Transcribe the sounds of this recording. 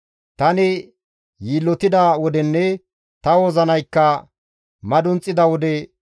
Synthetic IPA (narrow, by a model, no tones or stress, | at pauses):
t̪ɐnɪ | jiːlːɔt̪ɪd̪ɐwɔd̪ɛnːɛ | t̪ɐwoːzɐnɐjkːɐ | mɐd̪ʊnt͡sʼːɪd̪ɐwɔd̪ɛ